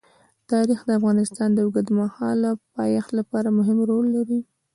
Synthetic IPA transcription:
t̪ɑɾixd̪əafɣɑnɪst̪ɑnd̪əwʊɡad̪mahɑlapɑjɑxlapɑɾamʊɦɪmɾolːaɾi

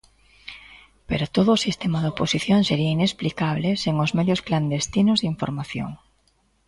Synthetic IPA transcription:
peɾot̪oðʊːsist̪emaðoposiθjoŋseɾiɐinesplikaβ̞lɪseŋʊzmeðjʊskland̪est̪inʊzðiɱfo̰ɾmaθjo̰ŋ

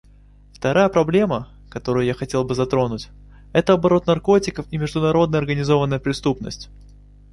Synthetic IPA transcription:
ft̪ɐɾʔajəpɾɐblʲe̞mə | kɐt̪o̞ɾʊjʊjaxɐtʲe̞lˠbɨzɐt̪ɾo̞nʊtʲ | ɛt̪əɐbɐɾo̞t̪nɐrko̞tʲɪkəfimʲɪʐd̪ʊnɐɾo̞d̪nəjɐrɡənʲɪzo̞vənːəjəpɾʲɪst̪upnə̰sʲtʲ

